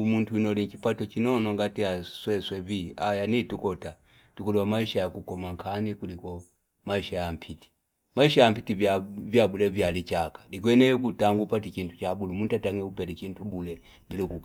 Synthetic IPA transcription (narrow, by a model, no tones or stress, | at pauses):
muntuinɔlikipatɔt͡ʃinɔnɔŋɡatiaswɛswɛviajanitukɔta | tukulɛwamaiʃajakukɔmaŋkʰanikulikɔ | maiʃajam̩pʰiti̥ | maiʃajam̩pitivavjabulɛvjalit͡ʃakḁlik̬wɛnɛkutaŋɡupatikintu̥t͡ʃabulumuntataŋɛupɛlit͡ʃintʰubulɛ | bilikuk